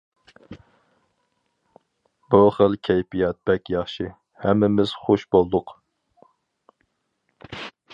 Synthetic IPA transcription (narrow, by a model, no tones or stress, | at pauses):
buχəlˠkʲʰɛjpijɑt̪̚b̥ɛkʲjɑχʃi | hɛmːɪmɪz̥χoʃbolˠd̪ʊq